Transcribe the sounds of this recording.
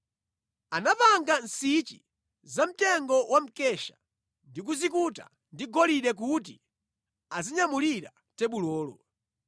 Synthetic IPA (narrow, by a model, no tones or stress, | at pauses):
anapaŋɡansit͡ʃḭ | zam̩tɛŋɡɔwam̩kɛʃḁ | ndik̬uzikuta̰ | ndiɡɔliɗɛk̬ut̬i | aziɲamuliɾa | tɛɓulɔːlɔ